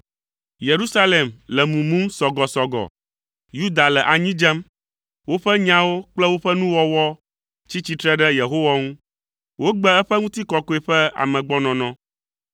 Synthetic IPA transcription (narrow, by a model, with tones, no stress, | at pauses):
je˨ɾu˦sa˦le˨mlɛ˨mũ˨mũ˦msɔ˨ɡɔ˨sɔ˨ɡɔ̰˨ | ju˦d̪a˨lɛ˨ʔa˨ɲĩ˦d͡ʒɛ˦m | wo˦ɸɛ˦ɲã˦wo˦k͡plɛ˦wo˦ɸɛ˦nũ˦wɔ˦wɔ˦ | t͡ɕi˦t͡ɕi˨t̪ɾɛ˦ɖɛ˦je˨ɦo˦wa˦ŋũ˦ | wo˦ɡ͡bɛ˦ɛ˦ɸɛ˦ŋũ˦t̪i˦kɔ˨kɔ˦e˨ɸɛ˦a̰˨mɛ̃˨ɡ͡bɔ˦nɔ̃˨nɔ̃˦